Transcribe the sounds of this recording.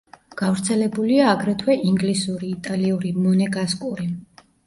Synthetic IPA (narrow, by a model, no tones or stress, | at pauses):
ɡ̥avɾt̪sʰɛlɛbuliaːɡɾɛt̪ʰwɛʔiŋɡlisuɾiːt̪ʼaliuɾimɔnɛɡaskʼuɾi